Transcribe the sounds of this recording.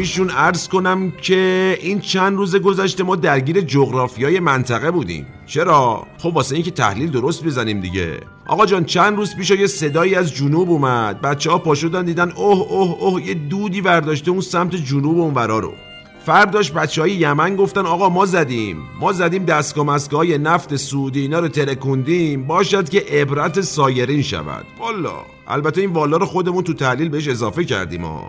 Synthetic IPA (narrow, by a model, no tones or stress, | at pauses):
iːʃunæɾz̥ko̞næmcʰe̞ʔiːnt͡ʃʰænd̪ruːze̞ɡo̞zæʃt̪emɒːd̪æɾɟiːɾe̞d͡ʒoɣɾɒːfijɒːje̞mænt̪ʰæɣe̞buːd̪ḭːm | t͡ʃʰe̞ɾɒːxobvɒːseiŋcet̪ʰæ̰hliːld̪o̞ɾo̞st̪̚bezænimd̪ḭɟe̞̰ | ʔɒ̰ːɣɒd͡ʒɒːnt͡ʃʰænd̪ɾuːzpiːʃɒjese̞d̪ɒːiːæzd͡ʒunuːbumæd̪̥̚bæt̪t͡ʃʰːehɒːpɒːʃod̪ænd̪iːd̪ænʔohohohje̞d̪uːd̪iːvæɾd̪ɒːʃt̪e̞unsæmt̪ʰe̞d͡ʒunuːbeunvæɾɒːɾo̰ | fæɾd̪ɒːʃt̪̚bæt̪t͡ʃːehɒːjejæmænɡo̞ft̪ænɒːɣɒːmɒːzæd̪imːɒːzæd̪iːmd̪æst̪ɡɒːmæst̪ɡɒːhːje̞næft̪e̞sud̪iiːnɒːɾot̪ʰe̞ɾe̞kʰond̪iːmbɒːʃæd̪ce̞ʔebɾæt̪esɒːje̞ɾiːnʃæ̰væ̰d̪̥bɒlːɒ̰ː | ʔæ̰lbæt̪ʰe̞iːnvɒːlɒːɾoxo̞d̪e̞munt̪ut̪ʰæhliːlbeeʃ̬e̞zɒːfe̞cʰæ̰ɾd̪ḭːmɒ̰ː